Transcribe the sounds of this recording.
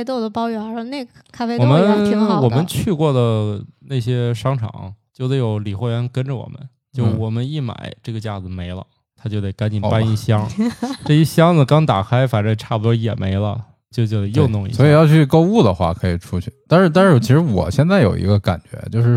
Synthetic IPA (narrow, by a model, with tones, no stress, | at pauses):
t̪o˥˩ʊd̪ə˩pɑ˥ʊjɛ˧˥ne˥˩ɡ | kʰa˥fe˥wɔ˨˩mə˦n˥wɔ˨˩mə˦nt͡ɕʰy˥˧kwɔ˥˩d̪ə˩na˥˩ɪɕjɛ˥ʂɑ˥ŋʈ͡ʂʰɑ̰˨˩˦ŋt͡ɕjo˥˧d̪ə˧˩ɪjo˧˥ʊli˨˩xwɔ˥˩ɥɛ˧˥nkə˥nʈ͡ʂə˨wɔ̰˨˩mʔə̰˦n | t͡ɕjo˥˧ʂ̩˥˧˩wɔ˨˩mə˦ni˥˩ma̰˨˩˦ɪʈ͡ʂɤ˥˩ɡə˩t͡ɕja˥˩d͡zɹ̩˩me˧˥ɪlə̰˧ | t̪ʰa˥t͡ɕjo˥˧ʊt̪e˧˩ɪka˥nt͡ɕi˨˩pa˥ni˥˩ɕjɑ˥ŋʈ͡ʂɤ˥˩ɛ˥˩ɕjɑ˥ŋd͡z̩˨kɑ˥ŋt̪a˨˩kʰa˥ɪfa˨˩ʈ͡ʂə˥˩ʈ͡ʂʰa˥˩bu˩t̪wɔ˥jɛ̰˨˩me˧˥ɪlə̰˧ | t͡ɕjʊt͡ɕjo˧˩d̪ə˧jo˥˧ʊnʊ˥˧ŋḭ˧˩swɔ˧˥i˧˨jɑ˥˧ʊt͡ɕʰy˥˩ko˥˧ʊu˥˩d̪ə˩xwa̰˥˩kʰɤ˧˥i˨˩ʈ͡ʂʰu˥t͡ɕʰy˥˩t̪a˥˧nʂɻ̩˥˧t̪a˥˧nʂɻ̩˥˩t͡ɕʰi˧˥ʂɻ̩˧˥wɔ̰˨˩ɕjɛ˥˧nt͡sa˥˩ɪjo̰˨˩ʊḭ˧˥ɡə˧ka̰˨˩nt͡ɕɥɛ̰˧˥t͡ɕjo˥˧ʊʂɻ̩˥˩